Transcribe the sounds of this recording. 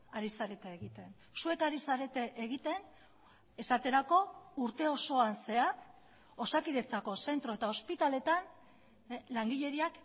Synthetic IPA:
aɾisaɾe̞t̪eːɣit̪e̞n | sue̞kaɾisaɾe̞t̪e̞ʔeɣit̪e̞n | e̞sat̪e̞ɾako̞uɾt̪e̞o̞so̞anse̞aθ | o̞sakiðe̞t͡sako̞se̞nt̪ɾo̞e̞t̪ao̞spit̪ale̞t̪an | laŋɡiʎe̞ɾiak

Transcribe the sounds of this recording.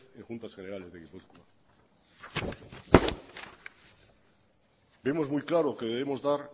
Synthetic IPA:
ẽŋxunt̪asχeneɾale̞zðeɣipuθkua | be̞mo̞zmujklaɾokeðeβemo̞zðaɾ

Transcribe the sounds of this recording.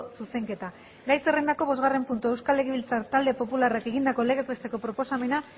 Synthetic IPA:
suse̞ŋke̞t̪a | ɾajserend̪ako̞β̞o̞zɣare̞mpunt̪ue̞wskale̞ɣeβilt͡saɾt̪ald̪e̞po̞pularake̞ɣind̪ako̞eleɣepɾest̪e̞ko̞pɾo̞po̞same̞na

